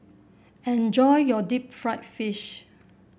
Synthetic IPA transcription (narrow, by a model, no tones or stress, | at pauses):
ɛ̃nd͡ʒɔjjɔdip̚fɹaɪtfiʃ